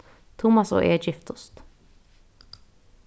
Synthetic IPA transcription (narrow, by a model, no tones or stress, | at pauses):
t̪ʰʊmɑso̰ːʔeːd͡ʒɪft̪ʊst̪